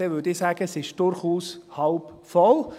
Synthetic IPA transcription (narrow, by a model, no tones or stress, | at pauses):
eʋʏdisaːɡ̥əsɪʃd̥ʊɾχuːshaʊpfɔl